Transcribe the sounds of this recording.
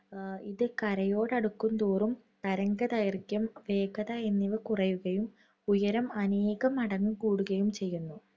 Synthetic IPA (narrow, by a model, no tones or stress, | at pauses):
iðɨkɐɾɐjo̞ːɽɐɽukːunt̪uːrum | t̪ɐɾɐŋɡɐðɐjɐrkʲːɐmʋe̞ːkɐðɐenːiʋɨkurɐjuɣɐjum | ujɐɾɐmɐneːɣɐmɐɽɐŋːukuːɽuɣɐjumt͡ɕe̞jːunːu